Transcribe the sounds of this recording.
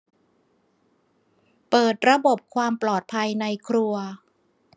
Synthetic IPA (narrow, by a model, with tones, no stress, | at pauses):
pɤː˨˩t̪̚ɾa˧bo˨˩p̚kʰwaː˧mplɔː˨˩t̪̚pʰa˧jna˧jkʰɾu˧ɐ